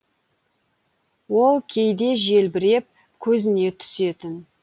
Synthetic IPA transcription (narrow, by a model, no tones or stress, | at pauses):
wo̞lˠkʲʰejd̪e̞ʒe̞lbɪɾe̞p̚ | kʲʰɵzɪne̞t̪ʰʏ̥se̞t̪ɪn